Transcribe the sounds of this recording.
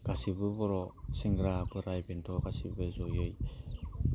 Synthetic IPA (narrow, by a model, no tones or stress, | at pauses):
ɡ̥asibɯbɔɾɔsiŋɡɾabɯɾajbent̪ʰɔɡasibɯzojɯj